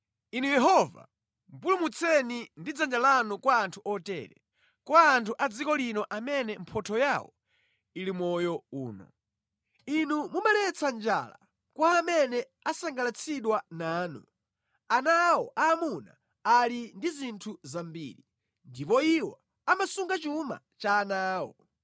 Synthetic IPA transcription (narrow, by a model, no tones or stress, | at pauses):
inujɛɦɔva̰ | m̩pulumut͡sʰɛnindid͡zand͡ʒalanukwaːntʰuɔtɛ̰ːɾɛ̰ | kwaːntʰuʔad͡zikɔlinɔʔamɛnɛm̩pʰɔtʰɔjawɔ̰ | ilimɔjɔuːnɔ̰ | inumumalɛt͡sʰand͡ʒa̰la̰ | kwamɛnɛ | asaŋɡalat͡sʰiɗwanaːnṵ | anawɔʔaːmuna̰ | alindizintʰuzambḭːɾi | ndipɔiwa | amasuŋɡat͡ʃuma̰ | t͡ʃaːnaːwɔ